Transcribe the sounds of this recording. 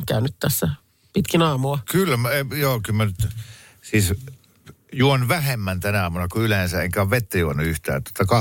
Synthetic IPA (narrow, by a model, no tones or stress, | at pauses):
kæ̰ˑynyt̪t̪æsːæ | pit̪kinɑːmuɑkylːæmejoːkylmænyt̪ | siːs | juonuʋæhemːænt̪ænæɑːmunɑkuylensæeŋkæːʋʋet̪ːæjuonːˑuyht̪æ̰ːt̪uot̪ːɑkɑ